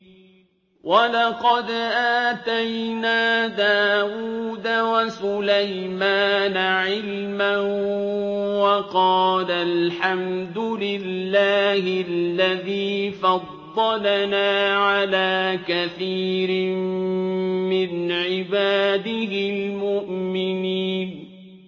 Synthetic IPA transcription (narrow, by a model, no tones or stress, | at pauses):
wʔɑlɑqɑd̪ʔaːt̪ajnaːd̪aːwuːd̪awasʊlajmaːnaʕɪlman | wɑqɑːlalħamd̪ʊlɪlːaːhɪlːaðiːfɑd̪ˤːɑlanaːʕalaːkaθiːɾɪm | mɪnʕɪbaːd̪ɪɦɪlmʊʔmɪniːn